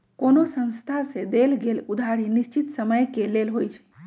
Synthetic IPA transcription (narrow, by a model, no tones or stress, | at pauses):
konosə̃ñst̪ʰasẽd̪elɡelud̪ʱaɾinist͡ʃit̪səməjkelelɦojt͡ʃʰɛ̥